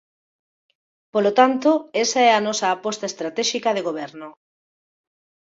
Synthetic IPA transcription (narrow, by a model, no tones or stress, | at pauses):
polot̪ant̪oesaɛanɔsɐːpɔst̪aest̪ɾat̪ɛʃikɐðeɣoβɛɾno